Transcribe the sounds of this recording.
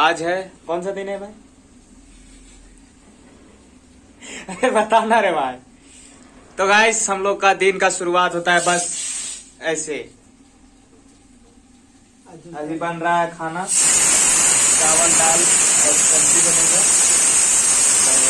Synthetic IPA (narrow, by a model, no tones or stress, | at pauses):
ad͡ʒɦɛkɔːnsəd̪inemẽ | bət̪anaɾeba | t̪ɔɡaɪsɦəmloɡkad̪inkasuɾuat̪ɦot̪aɦɛbəs | ɛse | əd͡ʒʱibənɾaɦɛkʰana | kaʋəlɖaːlɔpəntibeneke